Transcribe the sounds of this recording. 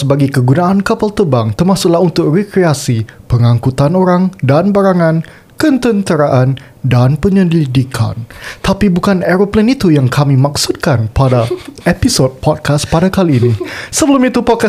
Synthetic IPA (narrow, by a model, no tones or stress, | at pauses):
sbaɡikəɡunaʔankapalt̪əbaŋt̪ərmasʊk̚laɦunt̪ʊk̚rikɾeasipəŋãŋkut̪anoɾaŋdanbaɾaŋãn | kənt̪ənt̪əɾaʔan | danpəɲəliidikʰa̰nt̪apibukanɛɾoplɛnit̪ujaŋkʰamimaksut̪̚kanpadaepisod̚pɔt̚kʰas̚padakaliːnisəbəlumit̪upɔt̚ka